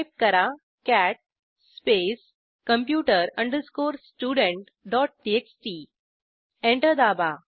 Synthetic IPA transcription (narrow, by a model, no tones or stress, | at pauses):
p̚kəɾa | kæʈ̚ | spes | kə̃mpjuːʈəɾə̃ɳɖəskoːɾsʈjuːɖə̃ɳʈ | ɖɔʈ̚ʈieksʈi | ẽɳʈəɾd̪aːba